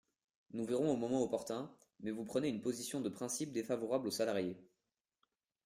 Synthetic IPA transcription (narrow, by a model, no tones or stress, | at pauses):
nuviʁɔ̃omɔmɑ̃opɔʁt̪ɛ̃ | mɛvupχəneynpozisjɔ̃d̪əpχɛ̃sip̚d̪efavɔʁablosalaʁje